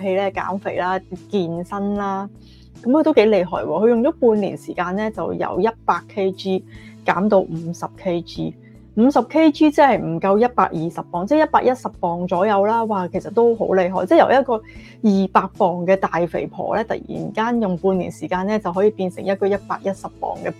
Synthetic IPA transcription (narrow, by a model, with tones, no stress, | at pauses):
ɦe˧jlɛː˥ka̰ː˨˥mfe˨˩jlaː˥kiː˧nsɐ˥nlaː˥ | kɐ˨˦mkɵ˨˧t̪o˥wke˨˥jle˨˧jɦɔ̰ː˨jwɔː˧kʰɵ˧ɥjŋt͡ʃɔː˨˦˥puː˧nlḭ˨˩nsiː˨˩kaː˧nlɛː˥t͡sɐ˨wjɐ̰˨˩wjɐ˥t̚paː˧kʰːe˥jt͡ʃiː˥kaː˨˥mt̪o˧wm̩˨˧˥sɐ˨p̚kʰe˥jt͡ʃiː˥ | m̩˨˧sɐ˨˩p̚kʰe˥jt͡ʃiː˥t͡sɛ˥hɐ˨jm̩˨˩kɐ˧wjɐ˥t̚pa̰ː˧k̚jiː˨sɐ˨p̚ːɔː˨ŋt͡sɛ˥˩jɐ˥t̚paː˧k̚jɐ˥t̚sɐ˨p̚ːɔː˨ŋt͡sɔː˨˥jɐ˨˧wlaː˥waː˨kʰe˨˩jsɐ˨t̪ːo˥wɦo̰˨˥wle˨˧jɦɔː˨jt͡sɛː˥˩jɐ̰˨˩wjɐ˥t̚kɔː˧ | jiː˨˩paː˧k̚pɔː˨˩ŋkɛː˧t̪aː˨jfḛ˨˩jpʰɔ̰ː˨˩lɛː˥t̪ɐ̰˨k̚jḭː˨˩nkaː˥njʊ˨ŋpuː˧nlḭː˨˩nsiː˨˩kaː˧nɛː˥t͡sɐ˨wɦɔː˨˥jiː˨˧piː˧nsɪ˨˩ŋjɐ˥t̚kɔ˧jɐ˥t̚pa̰ː˧k̚jɐ˥t̚sɐ˨p̚ːɔ̰ː˨˩ŋkɛː˧